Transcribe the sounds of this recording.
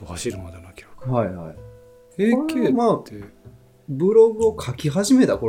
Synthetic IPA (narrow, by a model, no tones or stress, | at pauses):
ohaɕiɾɯmad̪enokʲokhaiha̰i | eːkʲemat̪ːe | bɯ̟ɾo̞ɡɯ̟okʰakʲiɦaʑime̞t̪ako̞